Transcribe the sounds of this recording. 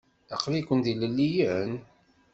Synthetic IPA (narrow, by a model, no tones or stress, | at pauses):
ə̰qlikʷənd̪iləlːijən